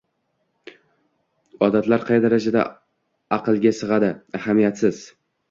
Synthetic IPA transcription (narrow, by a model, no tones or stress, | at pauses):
ɒd̪at̪laɾqʰɑjd̪aɾad͡ʒad̪a̰ | ɑqʰɨlˠɡʲasɨʁɑd̪ɪahamijat̪sɪz̥